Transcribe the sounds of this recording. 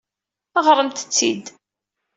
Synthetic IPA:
əʁɾˤəmt̪ə̥t͡sːḭd̪

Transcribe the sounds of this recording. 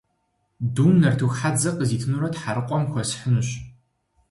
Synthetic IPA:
duːnɐrtʰuxħad͡zɐqʼəziːtʰɨnuːɾɐtħaɾɨqʷʼɔmxʷɔsħənɕ

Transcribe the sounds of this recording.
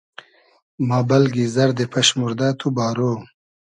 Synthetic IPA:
mɑːbɐlɡizɐɾd̪epʰɐɕmuɾd̪at̪ʰubɑːɾo

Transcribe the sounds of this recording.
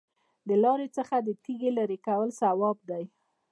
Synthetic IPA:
d̪əlɑɾet͡səxad̪ət̪iɡelaɾekawəlsawɑb̚d̪aj

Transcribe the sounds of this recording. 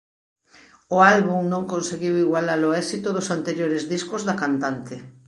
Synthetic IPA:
ʊalβuŋnõŋkonseɣiwiɣwalaɾoɛsit̪ʊðʊsant̪eɾjoɾɪzðiskʊzðakant̪ant̪ɪ

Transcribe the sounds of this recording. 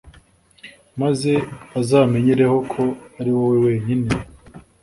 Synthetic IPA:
maze̞azaːme̞ɲiɾeho̞kʰo̞aɾiwowewe̞ːɲine

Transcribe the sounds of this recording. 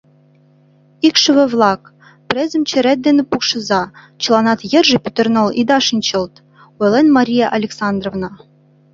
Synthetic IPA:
ikʃɘ̆βɘ̆vlˠɑk | pɾʲezɘ̆mt͡ɕĕɾæt̪̚d̪enɘ̆pukʃɤ̆zɑ | t͡ɕɤ̆lˠɑnɑt̪jɘ̆rʒɘ̆pʲyt̪ɘ̆rnɤ̆lˠid̪ɑʃɤ̆nt͡ɕɤ̆lˠt̪ | ojlenmɑɾʲijɑʔɑlʲeksɑnd̪rovnɑ

